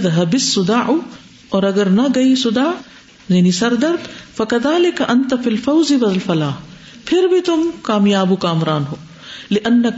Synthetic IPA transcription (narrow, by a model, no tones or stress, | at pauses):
ðɦɐbɪsːʊd̪aːʔ | ɔːɾɐɡɐɾnɐɡɐisʊd̪aː | janisɐɾd̪ɐɾd̪fɐkɐðaːlɪkɐʔɐnt̪afilfɐwzɪwɐzlfɐlaːh | pʰɪɾbʱit̪ʊmkaːmjaːbukaːmɾaːnɦoː | lɪʔɐnːɐ